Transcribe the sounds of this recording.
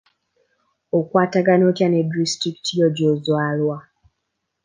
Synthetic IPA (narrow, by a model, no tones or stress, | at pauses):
okwaːtaɡanoːtjanedistiki̥tijoɟozwaːlwa